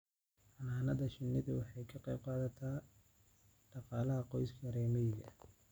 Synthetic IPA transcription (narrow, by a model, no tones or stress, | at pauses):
ħɑnaːnɐðɐʃɪnːɪðɐwɑħɑjkʰɑqejb̚qɑːðɐt̪ʰa | ɖ̥ɑqɑːlɐɦɐqɔjskʰɐɾɛːmɛjɡɐ̰